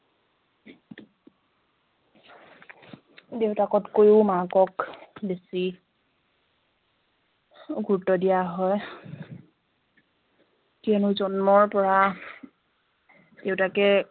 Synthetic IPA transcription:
dewtakɔtkojʊmakɔkbesi | ɡʱuɹtɔdijaɦɔj | tiɛnʊzɔnmɔɹpɔɹa | dewtakɛ

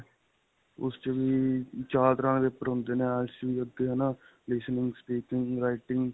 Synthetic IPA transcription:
ʊ̰st͡ʃəʋiːt͡ʃaːɾt̪ɾãnʋeːpːəɾɦʊ̃nd̪eːnẽːaːlsʋiːəd̪eːɦənaː | lɪsnɪ̃ŋɡspiːkɪŋɡɾaːiʈɪŋɡ

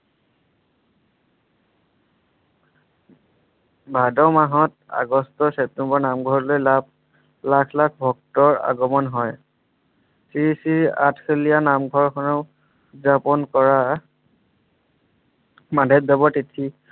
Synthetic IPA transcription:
bʱadɔmaɦɔt | a̰ɡɔstɔsɛp̚tɛmbɔɹnamɡʱɔɹlojlab̚ | lakʰlakʰbʱɔk̚tɔɹa̰ɡɔmɔnɦɔj | siɹisia̰tʰkʰelijanamɡʱɔɹkʰɔnɔ | zapɔnkɔɹa | madʱɛt̚dɔbɔtitʰi

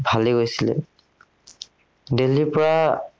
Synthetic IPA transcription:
bʱaliɡojsilɛ̰ | delipɔɹa

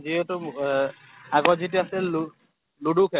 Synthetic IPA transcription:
ziɛtʊ | aɡɔzitiasɛl | ludukʰɛ

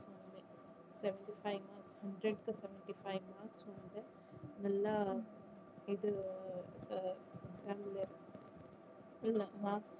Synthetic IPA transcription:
sɐnd̪e | seʋẽɳʈipʰajmaːɾkshɐɳɖɾeɖkɐseʋeɳʈipʰajʋmaːɾksɐnd̪e | nɛlːɐ | id̪useɡzaːmple | ɐlːɐmaːɾks

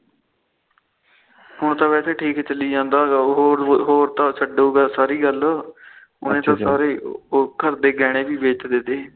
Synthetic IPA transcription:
ɦʊɳt̪ãːʋɛːt̪ʰeːʈʰiːkt͡ʃəliːd͡ʒãːnd̪aːɡaːɦːɾɦoːɾt̪ãːsʰəɖoːɡaːsaːɾiːɡəl | ʊ̰nẽːt̪ãːsaːɾeːokəɾd̪eːɡɛːɽ̃ẽːbiːbeːt͡ʃd̪eːd̪eː

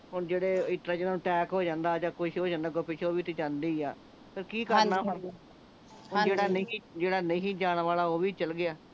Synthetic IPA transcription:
ɦʊɳd͡ʒeːɽeːɪt̪ɾaːd͡ʒnaːũːʈɛːkɦoːd͡ʒãːnd̪aːd͡ʒãːkʊʃɦoːd͡ʒãːnd̪aːɡʊpɪʃʰoːʋiːt̪ed͡ʒãːnd̪iːaː | pəɾkiːkəɾnaːɦʊɳ | ɦʊd͡ʒeːɽaːnːd͡ʒeːɽaːnə̃ĩːd͡ʒaːɽ̃ñʋaːlaːoːʋiːt͡ʃəlɡɪaː

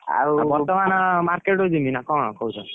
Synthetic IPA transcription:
a̰bɔɾt̪ɔmanɔmaɾkeʈɦod͡ʒuminakɔ̃ɔkɔɦut͡ʃʰɔ

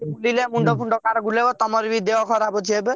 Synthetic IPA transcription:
bulilemuɳɖɔpʰuɳɖɔkaɾɡulebɔt̪ɔmɔɾbid̪jeɔkʰɔɾabɔt͡ʃʰiɛb

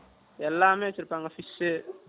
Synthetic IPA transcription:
ɛlːaːmeːt͡ʃːiɾpːaŋɡɐfise

